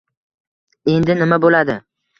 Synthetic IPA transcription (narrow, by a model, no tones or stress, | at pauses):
e̞nd̪ɪnɪmabolad̪ɪ